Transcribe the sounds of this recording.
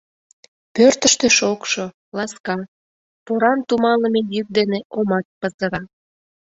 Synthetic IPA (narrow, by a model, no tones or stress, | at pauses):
pørt̪ə̆ʃt̪ə̆ʃokʃo | lɑskɑ | poɾɑnt̪umɑləmejyk̚d̪eneʔomɑt̪̚pəzə̆ɾɑ